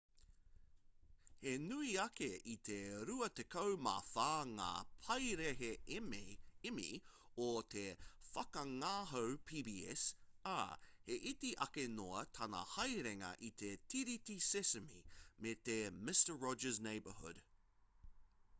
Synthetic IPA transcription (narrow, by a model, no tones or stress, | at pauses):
henuiɐkeʔit̪ʰeɾuɐt̪ekʰowma̰faːŋa̰ːpʰɐjɾehe | imḭot̪ʰefɐkɐŋaːɦowpʰiːbiɛ̰sa̰heʔit̪iʔɐkenoɐt̪ʰɐnɐ̰hɐjɾeŋɐ̰ʔit̪ʰet̪ʰiɾit̪isɪsəmḭmet̪emɪstə˞ɹɔd͡ʒəzneɪbə̰˞hʊ̰d̥